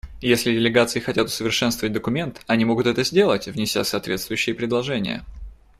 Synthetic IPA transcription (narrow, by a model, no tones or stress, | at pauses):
jesʲlʲɪdʲɪlʲɪɡat̪sɨɪxɐtʲat̪ʊ̥səvʲɪrʂɛnst̪vəvət̚ʲd̪əkʊmʲe̞nt̪ɐnʲimo̞ɡʊt̪ɛt̪əzʲdʲe̞lˠətʲvnʲɪsʲa̰sɐːt̪vʲe̞t̪st̪vʊjʏɕːɪjəpɾʲɪd̪lˠɐʐɛnʲɪ̰jə̰